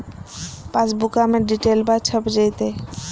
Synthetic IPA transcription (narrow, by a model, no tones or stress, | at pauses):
pãt͡ʃbukameɖiʈelbat͡ɕʰəpd͡ʑejt̪e